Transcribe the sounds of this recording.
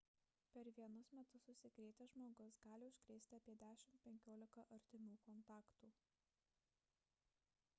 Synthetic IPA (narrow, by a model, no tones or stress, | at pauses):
pʲɛɾʋʲiɛnʊsmʲɛt̪ʊsːʊsʲɪkɾʲɛɪt̪ʲɛʒmoːɡʊsɡɑːlʲɪʊʃʲkɾʲɛɪsʲt̪ʲɪɐpʲiɛd̪ʲæːʃʲɪmt̪pʲɛŋʲkʲoːlʲɪkɐʔɐɾʲt̪ʲɪmʲuːkɔnt̪ɑːkt̪uː